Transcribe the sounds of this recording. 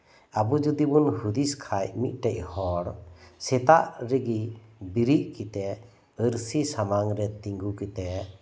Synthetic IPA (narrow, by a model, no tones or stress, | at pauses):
abud͡ʒud̪ibunhud̪iskʰajmit̪̚ˀʈɛc̚hɔɽsɛt̪aʔɾɛɡibiɾiʔkit̪ɛ | əɾsisamaŋɾɛt̪iŋɡukit̪ɛ